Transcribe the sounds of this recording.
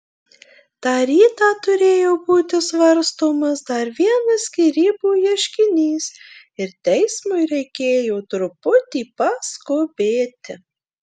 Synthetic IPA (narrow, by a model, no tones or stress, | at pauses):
t̪ɑːɾʲiːt̪ɑːt̪ʊɾʲeːjoːbuːt̪ʲɪsʋɐɾst̪oːmɐsd̪ɐɾʋʲiɛnɐsʲkʲiːɾʲiːbuːjiɛʃʲkʲɪnʲiːs | ɪɾt̪ʲɛɪsmʊɪɾʲɛɪkʲeːjoːt̪ɾʊpʊt̪ʲiːpɐskoːbʲeːt̪ʲɪ